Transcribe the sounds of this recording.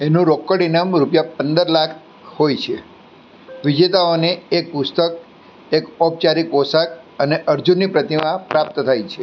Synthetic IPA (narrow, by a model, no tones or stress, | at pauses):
enũɾokːəɽinamɾupjapənd̪əɾlakʰ | hojt͡ʃʰe | ʋid͡ʒet̪aoneek̚pʊst̪ək̚ | ekɔb̚t͡ʃaɾikosak | əneʔəɾd͡ʒunːipɾət̪imãpɾap̚t̪t̪ʰajt͡ʃʰe